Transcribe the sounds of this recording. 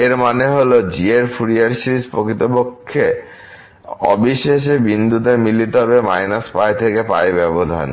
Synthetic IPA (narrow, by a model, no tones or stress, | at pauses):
eɾmaneɦolod͡ʑieɾfuɾiaɾʃɾispokɾit̪opokʰːe | ɔ̰biʃeʃ̬ebind̪ut̪emilit̪oɦɔbemajnaspajt̪ʰekepa̰ebɛbod̪ʱa̰n